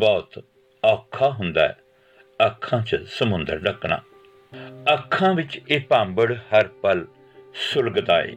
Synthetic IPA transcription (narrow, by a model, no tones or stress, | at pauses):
bɔːt̪ | aːkʰːaːɦʊnd̪a̰ːɛ̰ː | əkʰːãːt͡ʃsəmʊ̃nd̪əɾɖəkɳa̰ː | əkʰːãːʋɪt͡ʃeːpãːmbəɽhəɾpəl | sʊlɡd̪aːḛː